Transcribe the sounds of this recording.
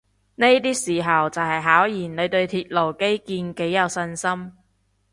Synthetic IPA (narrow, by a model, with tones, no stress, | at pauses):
ne˥jt̪iː˥siː˨˩ɦɐ˨wt͡sɐ˨whɐ˨jɦaː˨˥wjiː˨˩nne˨˧ɥt̪ɵ˧ɥt̪ʰiː˧t̚lo˨˩wke˥jkiː˧nke˨˥jːɐ˨˧wsɐ˧nsɐ˥m